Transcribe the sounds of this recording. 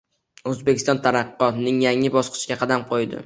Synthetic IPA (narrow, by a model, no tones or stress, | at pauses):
ɵzbekʲʰɪst̪ɒnt̪ʰaɾɑqːɒt̪nɪŋjaŋɪbɒsqʰɨ̥ʃɪɡʲaqʰɑd̪amqʰojd̪ɪ̰